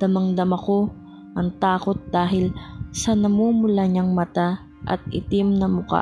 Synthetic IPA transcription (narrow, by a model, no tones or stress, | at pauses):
d̪̥ɐmɐŋd̪ɐmɐko̞ | ʔɐŋt̪aːkot̪̚d̪̥aːɦɪlsɐnɐmuːmʊlaɲaŋmɐt̪a | ʔɐ̰t̪̚ʔɪt̪ɪmnɐmʊka̰